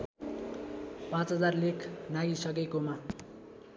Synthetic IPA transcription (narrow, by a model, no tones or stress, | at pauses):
pãt͡sɦʌd͡zarlekʰnaɡisʌk̬ekoma